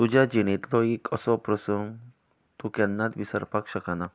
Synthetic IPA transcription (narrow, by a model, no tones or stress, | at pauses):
t̪ud͡ʒad͡ʒinit̪loikʰɔsɔpɾəsum | t̪ukɛnːat̪ʋisəɾpakʃɐkana